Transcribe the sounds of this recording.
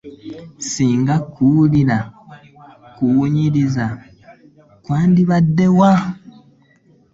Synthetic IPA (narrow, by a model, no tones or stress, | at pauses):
siːŋɡakuuliɾa | kuwuɲiɾiza | kwaːndiβadːe̞wa